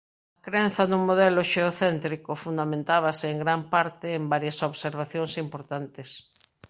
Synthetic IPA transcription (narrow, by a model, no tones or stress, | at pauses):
ɐkɾen̟θɐðuŋmoðɛloʃeoθɛnt̪ɾikofund̪amẽnt̪aβaseːŋɡɾampaɾt̪ɪːmbaɾjasoβseɾβ̞aθjõŋsimpoɾt̪ant̪ɪs